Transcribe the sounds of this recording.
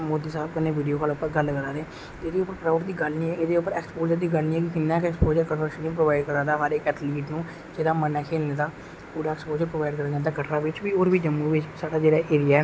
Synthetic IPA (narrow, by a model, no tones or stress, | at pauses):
moːd̪iːsaːb̚kɪnːeːʋɪːɖijoːkalʊpːəɾɡələɡəɾaːd̪eɛ | t̪eːd̪eːʊpːəɾkɾaːʊʈd̪iːɡəlnĩːɛːʔeːd̪eːʊpəɾɛːkspoːd͡ʒəɾd̪iːɡəlnĩːɛːkɪkɪnːãːkɛkspoːd͡ʒəɾkənʋəɾʃənːĩːpɾoːʋaːɪɖkəɾaːd̪aːɦaːɾekɛːt̪ʰliːʈnũː | d͡ʒeːdaːmənːaːkʰeːlned̪aː | puːɖaːɛkspoːd͡ʒəɾpɾoːʋaːɪɖkəɾə̃ːnd̪ad̪aːkəʈʰɾaːʋɪt͡ʃbiːoːɾʋiːd͡ʒəmːuːʋɪt͡ʃsaːɽaːd͡ʒeːɽaːʔeːɾɪjaː